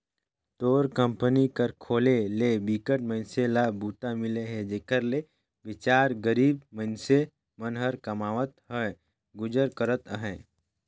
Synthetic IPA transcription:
t̪oːɾkə̃mpənikəɾkʰoːleleːbikəʈ̚məɪnselabuːt̪amɪleɦɛd͡ʒeːkəɾle | ʋɪt͡ʃaːɾɡəɾiːbmənse | mənɦəɾkəmaːʋət̪ɦɛ | ɡʊd͡ʒəɾkəɾət̪əɦɛ̃ː

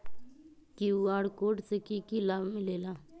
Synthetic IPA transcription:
kiuaːɽkoːʈsekikilaːbmɪ̃leːlaː

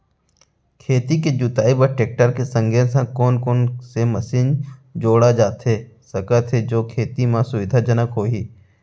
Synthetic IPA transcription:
kʰeːt̪iked͡ʒʊt̪aːibəɾʈeːk̚ʈəɾkesə̃ŋɡesãkoːnkoːnseməsiːnd͡ʒoːɽad͡ʒaːt̪ɦe | səkət̪ʰɦed͡ʒoːkʰeːt̪imãsʊʋɪd̪ʱad͡ʒənəkɦoːɦiː

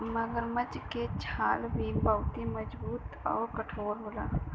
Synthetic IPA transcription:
məɡəɾməd͡ʒket͡ʃʰaːlbiːmbaʊt̪iməd͡ʒbuːt̪ɔːɾkəʈʰoːɾɦola̰ː

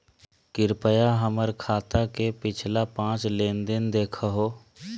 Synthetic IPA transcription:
kɪɾpəjaɦəməɾkʰaːt̪akepɪt͡ʃʰlapãːt͡ʃlẽːnd̪ɪnd̪eːkʰaɦoː

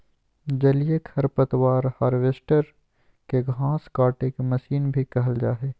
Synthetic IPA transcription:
d͡ʒɐlijekʰɐɾpət̪waːɾhaːɾʋeːsʈəɾ | keɡʱãːskaːʈeːkemɐʃiːnbʱikɐɦəld͡ʒaːɦeː

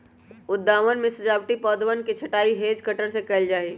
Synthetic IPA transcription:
ʊd̪ʱːaːʋənmẽsɐd͡ʒaːbʈipɔːd̪ʋənket͡ʃʰɐʈaːiɦeːd͡ʒkəʈəɾsekɛld͡ʒaːeː

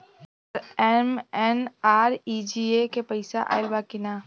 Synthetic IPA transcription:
ɾɛmɛnaːɾid͡ʒiekepɐɪsaʔa̰ːɪlbakɪnaː

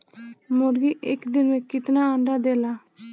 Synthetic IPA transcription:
mɔɾɡiʔɛkd̪inwɛkit̪naaɳɖad̪ɛla

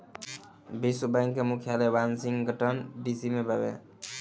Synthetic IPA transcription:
bisubajŋkemukʰjalebansiŋɡɡʱəʈənɖisimebʱəbḛ

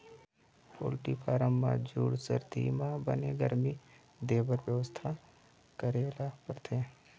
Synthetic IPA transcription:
po̰ːlʈipʰaːɾəmːa̰d͡ʒuːɽsə̰ɾd̪ʱḭmãbə̰neɡəɾmi | d̪eːbəɾʋjəʋəst̪ʰa | kəɾeːlaːpəɾt̪ʰeː

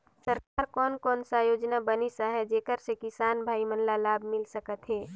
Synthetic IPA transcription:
səɾkaːɾkɔːnkɔːnsajoːd͡ʒnabənisaɦɛd͡ʒeːkəɾsekɪsaːnbʱaːimənlalaːbʱmɪlsəkət̪ɦɛː

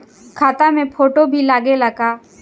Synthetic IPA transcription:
kʰaːt̪amẽpʰoːʈobʱilaːɡelɐɡaː

